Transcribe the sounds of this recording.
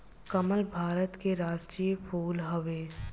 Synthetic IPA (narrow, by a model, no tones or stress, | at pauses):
kɐməlbʱaːɾət̪keɾaːd͡ʒkijəpʰuːlɦəʋeː